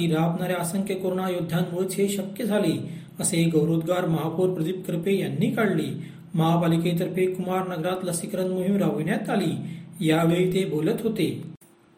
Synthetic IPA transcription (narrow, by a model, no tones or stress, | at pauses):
iɾaːpnaːɾeaːsɐ̃ŋkekoːɾɳaːjod̪ʱːãːnmoːjt͡ʃʰeːʃɐk̚kjəd͡zʱaːli | ɐseɡɐwɾoːd̪ɡaːɾmɐɦaːpuːɾpɾɐd̪ip̚kɾpejɐnːikaɽliː | mɐɦaːbaːliket̪ɐɾpekʊmaːɾnɐɡɾaːt̪lɐsikɾɐ̃nd̪moɦĩmɾaːʋinat̪aːliːjaːʋejt̪eboːlət̪ɦoːt̪eː